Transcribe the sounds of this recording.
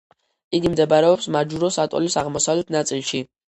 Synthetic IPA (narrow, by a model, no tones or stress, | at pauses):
iɡimd̪ɛbaɾɛɔpsmad͡ʒuɾɔsat̪ʼɔ̰lisaʁmɔsavlɛt̪ʰnat̪sʼilˠʃi